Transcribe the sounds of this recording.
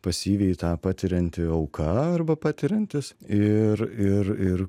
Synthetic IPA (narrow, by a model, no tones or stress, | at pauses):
pɐsʲiːʋʲɛɪt̪ɑːpɑːt̪ʲɪɾʲɛnʲt̪ʲɪɐʊkʰɐɐrbɐpɑːt̪ʲɪɾʲɛnʲt̪ʲɪsɪɾɪɾɪr